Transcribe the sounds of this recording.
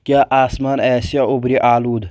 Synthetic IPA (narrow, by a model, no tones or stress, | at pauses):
kʲaːʔaːsmaːnɛːsijaʊbɾiʔaːluːd̪